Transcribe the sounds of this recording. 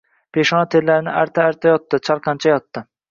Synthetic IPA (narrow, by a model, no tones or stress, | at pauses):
pʰeʃɒnat̪ʰeɾlaɾnɪʔaɾt̪ʰaːɾt̪ʰajɒt̪ːɪt͡ʃʰɑɾqʰɑnt͡ʃʰajɒt̪ːɪ